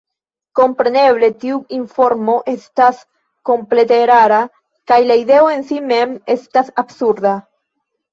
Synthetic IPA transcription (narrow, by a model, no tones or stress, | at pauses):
ko̞mpɾe̞ne̞βle̞tiuiɱfo̞ɾmo̞ʔe̞stas | ko̞mple̞te̞ɾaɾa | kajlaide̞oe̞nsime̞me̞stasabsuɾd̪a